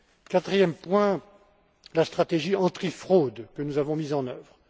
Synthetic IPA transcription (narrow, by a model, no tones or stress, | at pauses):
kat̪χijɛmpwɛ̃ | last̪χat̪eʒiɑ̃t̪χifχod̪kənuzavɔ̃mizɑ̃nœvʁ